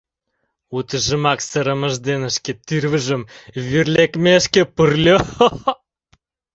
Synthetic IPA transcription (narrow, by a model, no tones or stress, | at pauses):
ut̪əʒəmɑksəɾəməʒd̪enəʃkʲet̪yrvəʒə̆mvyrlʲekmeəʃkʲepərlʲo